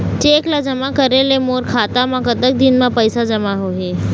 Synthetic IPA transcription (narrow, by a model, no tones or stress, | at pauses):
t͡ʃeːklad͡ʒəmakəɾelemoːɾkʰat̪amãkət̪ək̚d̪inmãpəjsad͡ʒəmaɦoɦe